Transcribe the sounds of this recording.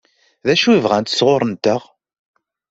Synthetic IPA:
ðæʃuivʁænt̪sʁoɾˤənt̪əʁ

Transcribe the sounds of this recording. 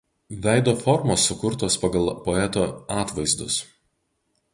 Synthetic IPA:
ʋʲæˑɪd̪oːfɔɾmoːsːʊkʊɾt̪oːspɐɡɐlˠpɔɛt̪oːɑːt̪ʋɐɪzd̪ʊ̰s

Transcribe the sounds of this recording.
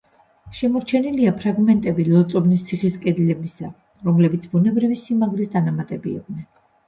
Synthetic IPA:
ʃɛmɔɾt͡ʃʰɛniliapʰɾaɡmɛnt̪ʼɛbilɔt̪sʼɔbnist̪sʰiχiskʼɛd̪lɛbisa̰ | ɾɔmlɛbit̪sʰbunɛbɾivisimaɡɾisd̪anamat̪ʼɛbiḭk̪̚ʰnɛn

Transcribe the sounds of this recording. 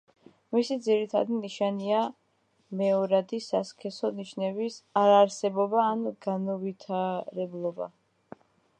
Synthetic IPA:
misid̪ziɾit̪ʰa̰d̪iniʃania | mɛɔɾad̪isaskʰɛsɔniʃnɛbisaɾaɾsɛbɔbaːnɡ̥anɔvit̪ʰaɾɛblˠɔba̰

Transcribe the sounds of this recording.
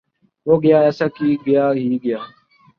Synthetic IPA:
ɦoːɡɪjaːɛːsaːkiːɡɪjaːɦiːɡɪjaː

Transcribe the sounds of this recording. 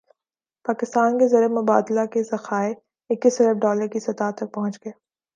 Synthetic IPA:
paːkɪst̪aːnkezɐɾemʊba̰ːd̪lakezɐxaːe | ɪkːisɐɾəfɖɔːləɾkisɐt̪aːt̪ɐk̚pɐɦʊ̃nt͡ʃɡɐeː

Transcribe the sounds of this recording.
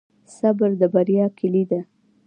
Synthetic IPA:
sabəɾd̪əbaɾjɑkʰɪlid̪a

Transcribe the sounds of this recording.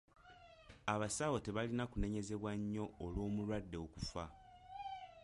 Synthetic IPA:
aβasawo̞te̞βalinakune̞ɲe̞ze̞βwaɲːo̞ːlwo̞ːmulwadːe̞okufa

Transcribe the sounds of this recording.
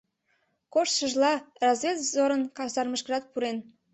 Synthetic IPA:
koʃt̪ʃəʒlɑrɑzβʲet̪vzoɾənkɑsɑrməʃkərɑt̪̚puɾen

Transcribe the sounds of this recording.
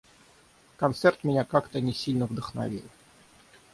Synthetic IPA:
kɐnt̪sɛrt̪mʲɪnʲakakt̪ənʲɪsʲilʲnəvd̪əxnɐ̰vʲḭlʲ

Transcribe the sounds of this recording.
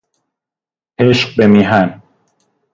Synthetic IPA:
heʃq̚bemiɦæn

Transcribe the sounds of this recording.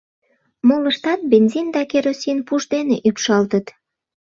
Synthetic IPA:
moləʃt̪ɑt̪̚benzʲind̪ɑkeɾosʲinpuʒd̪eneʔypʃɑlt̪ət̪

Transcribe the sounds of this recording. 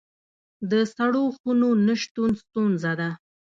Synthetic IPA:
d̪əsaɽoxunonəʃt̪unst̪unzad̪a

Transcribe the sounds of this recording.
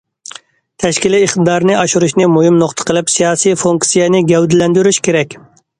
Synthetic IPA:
t̪ʰɛʃkʲiliːχt̪ɨd̪ɑɾnɨɑʃuɾuʃnɪmuɦimnoχt̪ʰə̥qʰəlˠɪpsijɑːsijfuŋksijɛnɪɡʲɛwd̪ɪlɛnd̪yɾyʃkʲeɾɛkʲ

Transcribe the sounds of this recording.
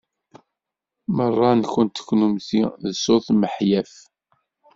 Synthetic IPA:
mərˤːɑnçunt̪ːə̥kːnumθiðəsoθməħjæf

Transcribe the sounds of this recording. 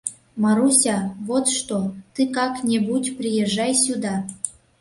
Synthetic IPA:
mɑɾusʲɑβot̪ʃt̪ot̪ɨkɑknʲebutʲprʲijeʒɑjsʲud̪ɑ

